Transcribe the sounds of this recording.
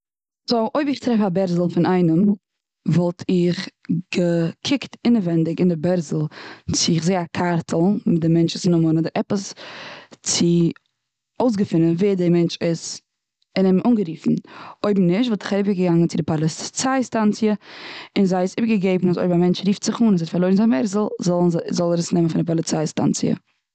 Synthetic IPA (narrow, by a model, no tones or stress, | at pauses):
zoʔoɪbɪχtɾɛfabɛɾzl̩ˠfɪnaɪnəm | vɔlˠtʰɪχɡ̥əkʰɪktɪnəvɛndɪɡɪndɪbɛɾzl̩ˠt͡sɪɪχzeɪakʰaɾtʰl̩ˠmɪt̚dɪmɛnt͡ʃɪsnʊmənɔdəɾɛpəs | t͡sɪ | oʊs̬ɡəfɪnənveːdɪmɛnt͡ʃɪz | ɪnɛmʔuːnɡəɾiːfn̩oʏbm̩nɪʃtvɔlˠtɪ̥χaɾɪpəɡəɡaŋənt͡sɪdɪpalˠɪt͡saɪstant͡sjəɪnzaɪɪsɪbɡəɡeɪbn̩aso̰ɪbmamɛnt͡ʃɾiːftz̥ɪχuːnɛnzɛtfaɾlˠoɪɾnzabɛɾzl̩ˠzɔzɔlˠɾəsnɛmənfɪndɪpɔlˠɪt͡saɪsta̰nt͡siə̰